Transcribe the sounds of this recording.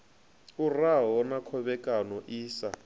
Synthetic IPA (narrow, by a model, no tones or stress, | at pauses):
uraɦɔɔnakʰɔβɛkʼanɔʔiːsa